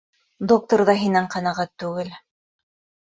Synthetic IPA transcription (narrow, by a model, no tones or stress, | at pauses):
d̪ok̚t̪ŏɾðɑɦinɘɴqɑ̆nɑʁæt̪ːʉɡɘl